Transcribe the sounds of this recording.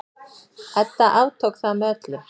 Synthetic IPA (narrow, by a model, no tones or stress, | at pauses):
ɛt̪ːaʔaːwt̪ʰowkθaðmœːt̪lʏ